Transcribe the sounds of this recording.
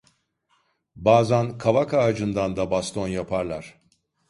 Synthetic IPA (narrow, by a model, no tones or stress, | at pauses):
baːzankʰavakʰaːd͡ʒɯnd̪and̪abast̪ʰo̞njapʰaɾlˠaɾ̥